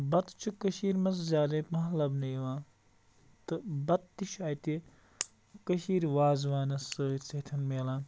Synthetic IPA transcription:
bɐt̪t͡ʃʰukɐʃiːɾʲmɐs̬zʲaːd̪ɐpmɐɦlɐbnɐjʋãː | t̪ɨbɐt̪̚t̪ːiʃaːjt̪i | kɐʃiːɾʋaːzʋaːnɐsəːɾʲt͡set̪ʰɐnmeːlãː

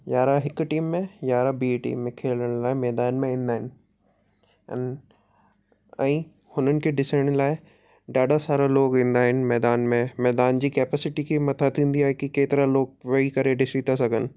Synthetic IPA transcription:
jaːɾaɦɪkʈiːmːẽjaːɾabiːʈḭːmːẽkʰeːləɽ̃laːɪmɛːd̪aːnmẽĩːnd̪aːɦɪn̆ | n | ɛ̃ː | hʊnənɪ̆kʰeɖɪsəɽ̃laːɪ | ɖaːɗasaːɾaloːkʋĩːnd̪aːɦɪnɪ̆mɛːd̪aːnmẽmɛːd̪aːnd͡ʑiːkeːpɛːsɪʈikʰimɐt̪ʰat̪ʰːĩːnd̪iaːɦekikeːt̪ɪɾaloːɡ̚ʋɐikɐɾeɖɪsit̪asɐɡʱənɪ̆

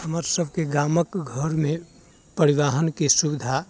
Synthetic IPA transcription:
həməɾsəbʱkeɡaːməkɡʱəɾmẽ | pəɾiʋaɦənkisubid̪ʱa

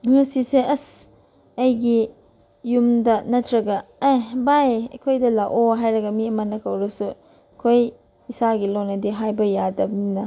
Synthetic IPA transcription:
ŋɐsiseʔɐs | ɐjɡi | jumdɐnɐtɾɐɡɐejbajɐ̰kʰojdɐlaʔoɦajɾɐɡɐmiɐmɐnɐkʰɐwɾɐsu | kʰoj | isaɡilonɐdeɦajbɐjadɐminɐ

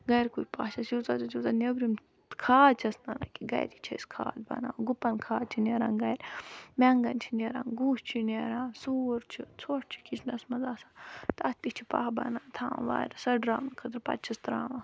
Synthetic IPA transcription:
ɡɐjɾkupaːʃasjut͡saːt͡ʃɐt͡ʃut̪ɐnebɾim | kʰaːd̪t͡ʃʰɐsnɐna̰kiɡɐ̰jɾit͡ʃʰɐ̰skʰa̰ːd̪bɐ̰na̰ːɡupɐnkʰaːd̪̚t͡ʃʰineːɾa̰ːŋɡɐjɾʲmʲɛŋɡɐnt͡ʃʰineɾã̰ːnɡuːʃt͡ʃʰineɾãːsuːɾt͡ʃʰit͡sʰoːʈʰt͡ʃʰi̥kit͡ʃʰnɐsmɐzaːsaːt̪ast̪it͡ʃʰi̥pa̰ɦbɐ̰naːt̪ʰã̰ːʋa̰ːɾʲsɐɖɾaːmnkʰɐt̪ɾpɐ̰t̪̚t͡ʃʰɐst̪ɾãːʋa

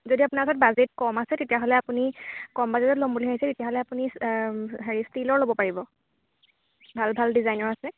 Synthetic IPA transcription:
zodiapunakɔsʰɔt̚bazet̚kɔmasɛtetijaɦɔlɛapunikɔmbazetɔtlomboliɦaɦisɛtetijaɦɔlɛapunisɦaɹistilɔɹlobɔpaɹibɔ | bʱalbʱaldizajnɔɹasɛ

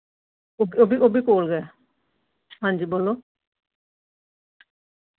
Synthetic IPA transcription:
obiobiobikolɡɛ | ɦãnd͡ʒibolo

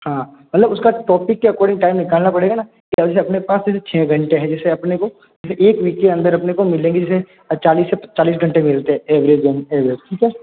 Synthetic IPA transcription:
ɦãːmɐt̪ləbʊskaʈɔːpɪkːeɐkɔːɾɖɪ̃ŋɡʈaːɪmnɪkaːlnapɐɽeːɡana | kiɐɛs̬eɐpnepaːsd͡ʒɛːset͡ʃʰɛːɡʱɐ̃ɳʈeɦɛ̃d͡ʒɛːseɐpneko | d͡ʒɛːseʔeːkʋiːkːeɐ̃nd̪əɾɐpnekomɪlẽːŋɡed͡ʒɛːse | t͡ʃaːliːsːept͡ʃaːliːs̬ɡʱɐ̃ɳʈemɪlt̪eɦɛ̃ʔeːʋɾezəneːʋɾed͡ʒʈʰiːkɦɛː

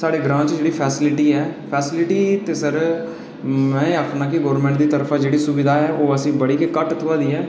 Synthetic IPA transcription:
saːɽeːɡɾãːt͡ʃd͡ʒeːɽiːpʰɛːsɪlɪʈiːɛːpʰɛːsɪlɪʈiːt̪eːsəɾ | mɛ̃ːapʰnaːkiɡoːɾmɛ̃ɳʈd̪iːt̪əɾəpʰaːd͡ʒeːɽiːsʊbɪd̪aːɦɛːʔoːəsĩːbəɽiːkekəʈt̪ʰʊʋaːd̪iːɛː

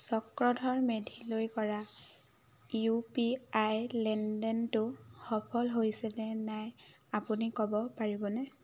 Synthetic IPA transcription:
sɔkɹɔdʱɔɹmedʱilojkɔɹa | upiajlɛndɛntʊxɔpʰɔlɦojsɛnɛnaj | apunikɔbɔpaɹibɔnɛ

